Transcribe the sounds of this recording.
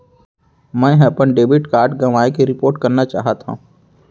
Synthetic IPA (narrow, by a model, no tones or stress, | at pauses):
mɛ̃ːɦɛpənɖeːbɪʈkaːɾɖɡɐʋaːekeɾɪpoːɾʈkɐɾnat͡ʃa̰ːɦat̪ɦã̰